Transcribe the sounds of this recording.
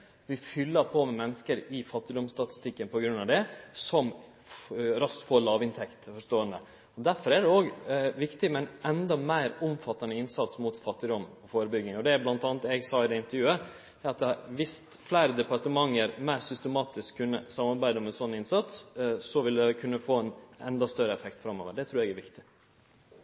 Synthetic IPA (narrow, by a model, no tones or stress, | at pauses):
ʋɪfʏlːəɾpʰɔmɛmɛnːəskəɾɪfɑt̪ːɪd̪ɔmst̪ɑt̪ɪ̥st̪ɪkːənpɔɡɾʉnːɑʋd̪ɛsɔm | ɾɑst̪foːɭɑːʋɪnt̪ʰɛkt̪fɔʂt̪oːənə | ɔd̪æɾfɔɾæɖ̪ɛoːɡʋɪkt̪ɪmɛnɛnd̪ɑmæɪɾʊmfɑt̪ːɑnəɪnsɑt̪smut̪fɑt̪ːɪd̪ɔmɔfoːɾəbʏɡnɪŋɔd̪ɛblɑnt̪ɑːnət̪ɛɡsɑːɪd̪ɛɪnt̪əɾjʉːə | æɾɑt̪̚d̪ʋɪs | flæɪɾəd̪ɛpɑʈ̪əmɑŋːəɾmæɪɾsʏst̪əmɑːt̪ɪskʰːʉnːəsɑmːɑɾbæɪd̪əmɛsɔnːɪnsɑt̪ssɔʋɪld̪ɛkʰʉnːəfoːɛnɛ̰nd̪ɑst̪œɾəɛfɛkt̪fɾɑmːo̰ːʋəɖɛt̪ʰɾʉːɾɛɡæɾʋɪkt̪ɪ̥